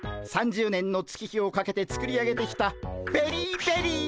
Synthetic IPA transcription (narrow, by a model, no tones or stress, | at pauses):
sãɲ̟d͡ʑɨːnẽ̞nːo̞t͡sɨ̥kʲiçio̞kake̞t̪e̞t͡sɨ̥kɯ̟ɾʲiaɡe̞t̪e̞kʲi̥t̪ab̥e̞ɾʲiːbe̞ɾʲiː